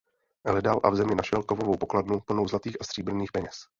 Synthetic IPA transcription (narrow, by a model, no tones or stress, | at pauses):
ʔɛlɛdalʔa̰vzɛmɲɪnaʃɛlkovovowpo̞kladnup̩nowzlat̪iːxʔast̪r̥iːbr̩niːxpɛɲɛs